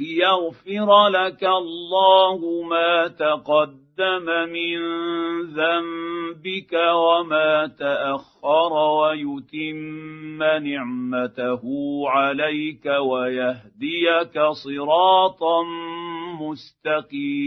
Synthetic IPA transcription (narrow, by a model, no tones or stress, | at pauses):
lɪjaɣfɪɾˤlakalˤːɑːhʊmaːt̪aqɑd̪ːamamɪnðambɪkawamaːt̪aʔaxːɑɾˤɑwajʊt̪ɪmːanɪʕmat̪ahʊʕalajkawajaɦd̪ɪjakasˤɨɾɑːt̪ˤnmʊst̪aqiː